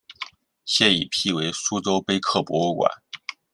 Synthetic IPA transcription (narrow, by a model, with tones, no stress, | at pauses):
ɕjɛ˥˩i˨˩pʰi˥˩we˧˥ɪsu˥t͡so˥ʊpe˥ɪkʰɤ˥˩pwɔ̰˧˥u˥˩kwa̰˨˩˦n